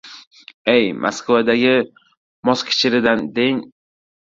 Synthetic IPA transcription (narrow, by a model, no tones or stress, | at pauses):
ejmʔa̰skʰvad̪aɡʲɪ | mɒskʲʰɪ̥t͡ʃʰɪɾɪd̪and̪eŋ